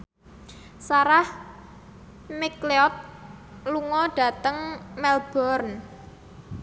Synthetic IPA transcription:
saɾah | mikleɔt̪̚luŋɔɖ̥ä̤t̪əŋmɛlb̥ɔrn

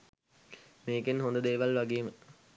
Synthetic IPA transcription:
meːkenɦond̪əd̪eːʋalʋaɡeːmə

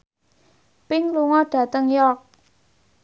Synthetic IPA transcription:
pɪŋluŋɔɖ̥ä̤t̪əŋjɔk̚

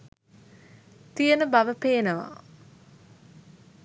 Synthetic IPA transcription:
t̪ijənəbaʋəpeːnəʋa̰

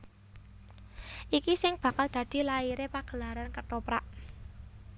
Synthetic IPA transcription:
ʔikisɪŋb̥a̤kald̪̥ä̤d̪̥i̤laiɾepaɡ̥ə̤laɾankəʈ̪opɾaʔ

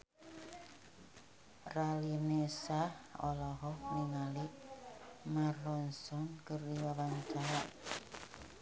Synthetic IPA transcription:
ralinesahɔ̰lɔɦɔniŋali | marɔnsɔnkəriwawant͡ʃaɾaʔ

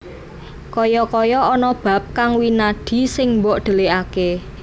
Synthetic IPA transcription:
kɔjɔkɔjɔɔnɔb̥a̤p̚kaŋwinaɖ̪̥i̤sɪŋmbɔʔd̪̥ə̤leake

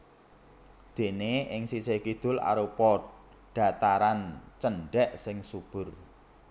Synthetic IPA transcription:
d̪̥e̤neɪŋsisekid̪̥ʊ̤la̰ɾupɔ | ɖ̥ä̤t̪aɾant͡ʃənɖɛʔsɪŋsub̥ʊ̤r

